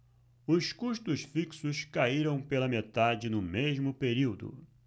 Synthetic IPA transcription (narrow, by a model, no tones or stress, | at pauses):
ʊskuʃt̪ʊsfiksʊskaiɾɐ̃w̃pelɐmet̪ad͡ʒɪnʊmeʒmʊpeɾiwd̪ʊ̰